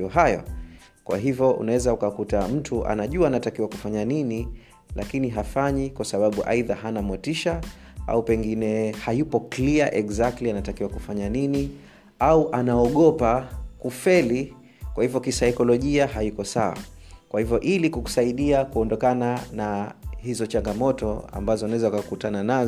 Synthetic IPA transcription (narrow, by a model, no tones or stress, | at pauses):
ɔɦajɔ̰ | kwa̰ɦivjɔṵnawɛzaukakutam̩tʰuʔa̰naʄuaːnatakiwaku̥faɲanini | lakiniɦafaɲikwasaɓaɓuʔa̰iðaɦanamwɛtiʃa | a̰upɛŋɡinɛhajupɔkliaʔɛkzak̚tlianatakiwakufaɲanini | auʔanaɔɠɔpakufɛli | kwahivjɔkisaikɔlɔʄiaɦajikɔsaa̰kwahivjɔʔilikuku̥saiɗiakuɔndɔkananahizɔt͡ʃaŋɡamɔtɔa̰mbazɔanawɛzaakakutanana